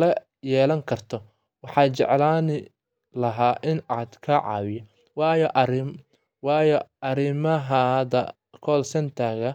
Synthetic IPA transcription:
lɐ | jɛːlɐŋkʰɐrt̪ʰɔ | wɑħɑːt͡ʃɛ̰ʕlaːnɪ | lɐɦaːʔɪnaːd̪kʰɐʕɑ̰ːwɪjɐ | wɑːjɔʔɐɾɪm | wɑːjɔɐɾɪmɐɦɐðɐ | kʰɔːlsɐnt̪ʰaːɣɐ

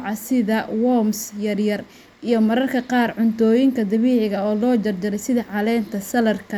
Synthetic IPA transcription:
ʕɑsɪðɐwɔmsjɐrjɐr | ʔijɞmɐɾɐrkʰɐqɑːrʕʊnt̪ʰɔːjɪŋkʰɐd̪ɐβiːʕɪɣɐɔːlɔːd͡ʒɐrd͡ʒɐɾɛjsɪðɐʕɑlɛːnt̪ʰɐsɐlɐrkʰɐ

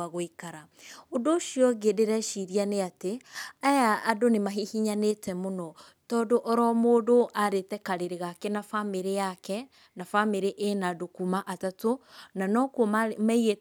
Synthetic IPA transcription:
aɣoikaɾa | odoːʃiɔɡedeɾɛʃiɾianeateajaːdonemaɦihiɲanetɛmonɔ | tɔːdoʔɔɾɔmoːdoʔaɾetɛkaɾeɾeɣakenafameɾejakɛ | nafameɾeʔenadokumaʔatatonanɔkomaiɣe

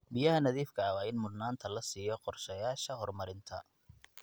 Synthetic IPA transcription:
bɪjɐɦɐnɐðiːfkʰɐɐwɑːɪnmʊd̪naːnt̪ʰɐlɐsiːjɔqɔrʃɛjaːʃɐɦɔrmɐɾɪnt̪ʰɐ̰

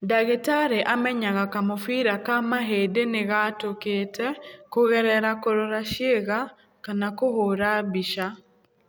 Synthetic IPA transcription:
daɣetaɾeʔamɛɲaɣakamofiɾakamaɦedeneɣatoketɛkoɣɛɾɛɾakoɾoɾaʃjeɣa | kanakohoɾaβiʃa

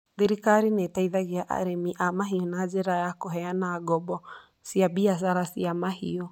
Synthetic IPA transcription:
d̪iɾikaɾinɛt̪ajðaɡiaʔa̰ɾɛmiʔamaɦiɔnad͡ʒɛɾaɛakɔɦɛanaɡɔbɔ | siabias̬aɾasiamaɦḭɔ

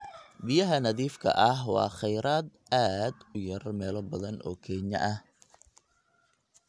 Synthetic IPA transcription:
bɪjɐɦɐnɐðiːfkʰɐ̰ʔɐɦwɑ̰ːχɛjɾaːd̪ | aːd̪ʊjɐɾɐrmɛːlɔbɐðɐnʔɔ̰ːkʰɛːɲɐʔɐh

